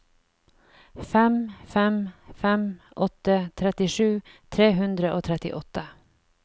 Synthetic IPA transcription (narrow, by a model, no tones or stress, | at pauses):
fɛmfɛmfɛm | ʔɔt̪ːət̪ʰɾɛt̪ɪʂʉːt̪ʰɾeːɦɵnd̪ɾəʔoːt̪ʰɾɛt̪ɪ̰ʔɔt̪ːə